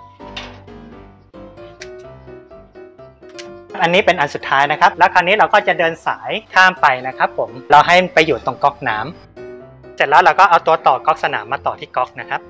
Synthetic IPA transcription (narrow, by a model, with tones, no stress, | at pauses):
p̚ʔa˧nːiː˦˥pe˧nʔa˧nsu˨˩t̪ʰːaː˦˥jna˦˥kʰa˦˥p̚lɛ˦˥wkʰaː˧niː˦˥ɾa˧wkɔː˥˩t͡ɕa˨˩dɤː˧nsa̰ː˩˦jk̪ʰaː˥˩mpa˧jna˦˥kʰa˦˥pʰːo˩˦mɾa˧wɦa˥˩jpa˧jːuː˨˩t̪o˨˧˩ŋkɔ˦˥k̚naː˦˥m | se˨˩t̪̚lɛ˦˥wɾa˧wkɔː˥˩ʔa˧wt̪u˧ɐt̪ɔː˨˩kɔ˦˥k̚sa˧na̰ː˩˦mːaː˧t̪ɔː˨˩t̪ʰiː˥˩kɔ˦˥k̚na˦˥kʰɾa˦˥p̚